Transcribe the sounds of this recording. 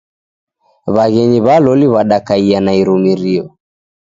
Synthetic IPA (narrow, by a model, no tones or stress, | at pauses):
βaɣɛɲiβalɔliβaɗakaianaiɾumiɾiɔ